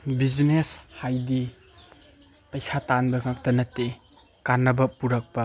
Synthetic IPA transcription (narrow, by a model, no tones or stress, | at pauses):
bizneshajdi | pɐjsatanbɐŋak̚tɐnɐtːe | kanːɐbɐpuɾɐk̚pɐ